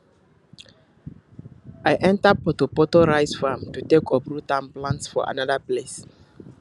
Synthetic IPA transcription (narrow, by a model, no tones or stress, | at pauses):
ajʔɛ̃ntapɔtopɔtoɹajsfamtutekʰɔbɹutãmplãntsfɔ̰a̰nadaples